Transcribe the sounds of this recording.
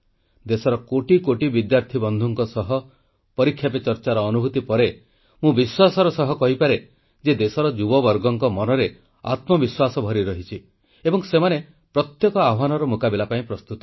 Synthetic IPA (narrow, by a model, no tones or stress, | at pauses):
d̪esɔɾɔkoʈikoʈibid̪jaɾt̪ʰibɔnd̪ʱuŋkɔsɔɦɔ | pɔɾikʰːjapet͡ʃɔɾt͡ʃaɾɔːnubʱut̪ipɔɾe | mũbiswasɔɾɔsɔɦɔkɔɦipaɾe | d͡ʒed̪esɔɾɔd͡ʒubɔbɔɾɡɔŋkɔmɔnɔɾe | a̰t̪mɔbiswasɔbʱɔɾiɾɔɦit͡ʃʰi | ebɔŋsemane | pɾɔt̪jekɔawanɔɾɔmukabilapaĩpɾɔst̪ut̪ɔ̥